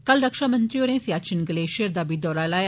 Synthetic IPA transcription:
kəlɾəkʃaːmə̃nt̪ɾiːoːɾẽːsjaːt͡ʃɪnɡəleːʃiɾd̪aːbiːd̪ɔːɾaːlaːj

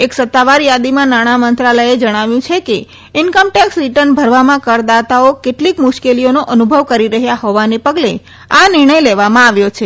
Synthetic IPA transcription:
eksət̪ːaʋaɾjad̪imãnaɽ̃amənt̪ɾaləed͡ʒəɽ̃aʋjũt͡ʃʰeke | ɪnkəmʈɛksɾiʈəɾnbʱəɾʋamãkəɾd̪at̪aokeʈlikmʊʃkelijonoʔənubʱəʋkəɾiɾəɦjaɦoʋanepəɡle | anɪɾɳ̃əjleʋamãaʋjot͡ʃʰe

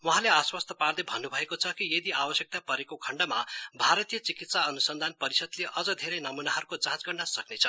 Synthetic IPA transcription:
wuɦãleaswʌst̪ʰʌpard̪ebʱʌnːubʱʌekot͡sʰʌkijed̪iabʌsjʌk̚t̪apʌɾekokʰʌɳɖama̰bʱaɾʌt̪ijʌt͡sikit̪saʌnusʌnd̪ʱanpʌɾisʌd̪leʔʌd͡zʌd̪ʱeɾʌjnʌmunaɦʌɾukot͡sãt͡sɡʌɳɖasʌknet͡sʰʌ

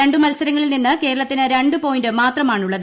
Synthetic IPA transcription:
e̞ɳɖɨmɐlsɐɾɐŋːɐɭilninːɨke̞ːɾɐɭɐt̪ːinɨɾe̞ɳɖɨpo̞ːjindɨmaːt̪rɐmaːɳuɭːɐðɨ

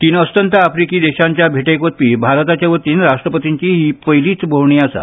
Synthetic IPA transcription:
t̪iːnəst̪ənt̪aafɾikiːd̪eɕaɲt͡ɕjabʱeʈejkot̪̚piːbʱaɾt̪at͡ɕaʋət̪iːnɾaʂʈɾəpət̪iɲt͡ɕiɦipəjliːt͡sbʱəwɳ̃iːasa̰

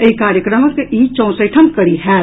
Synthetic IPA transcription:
eikaːɾjəkɾəməkiːt͡ʃɔ̃ːsəʈʰɐm̚kɐɽiɦɛː

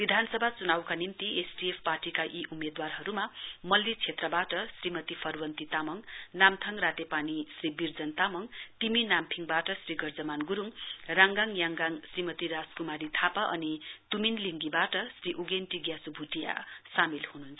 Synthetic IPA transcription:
bid̪ʱansʌbʱat͡sunawkanimt̪iʔesɖiepʰparʈikaʔiʔumed̪warɦʌɾumamʌlːit͡sʰet̪rʌbaʈʌsrimʌt̪ipʰʌrwʌnt̪it̪amʌŋnamt̪ʰʌŋrat̪epanisribird͡zʌnt̪amʌŋt̪iminampʰiŋbaʈʌsriɡʌrd͡zʌmanɡuɾuŋraŋɡaŋjaŋɡaŋsrimʌt̪iɾaskumaɾit̪ʰapaʔʌnit̪uminliŋɡibaʈʌsriʔuɡenʈiɡjasubʱuʈija̰samilhunuɦnt͡sʰ

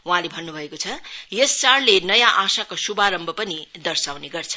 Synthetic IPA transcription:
uɦãlebʱʌnːubʱʌekot͡sʰʌjʌst͡saɽlenʌjãʔasakosubaɾʌmbʱʌpʌnid̪ʌrsawneɡʌrt͡sʰʌ̥

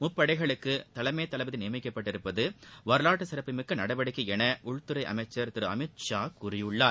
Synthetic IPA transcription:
mʊpːɐɽɐɪɣɐɭɯkːɯt̪ɐlɐmɐjːt̪ːɐlɐʋɐðɪnɪjɐmɪkːɐpːɐʈːɪɾɯpːɐðɯʋɐɾɯlaːʈːɯsɪɾɐpːɪmɯkːɯnɐɽɐbɐɽɯkːɯɛnɐʔʊɻt̪ɯɾɐɪʔɐ̰mɐɪt͡ʃːɐɾt̪ɪɾɯɐ̰mɪt̪̚t͡ʃaːkʊɾɪjɯɭːaː

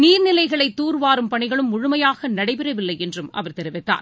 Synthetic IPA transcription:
niːɾnɪlɐɪɣɐɭɐɪt̪ːuːɾʋaːɾɯmpɐɳɪɣɐɭɯmːʊɻʊmɐjaːɣɐnɐɽɐɪpɪɾɐʋɪlːɐɪɛndrɯmɐ̰ʋɐɾt̪ɛɾɯʋɪt̪ːa̰ːɾ

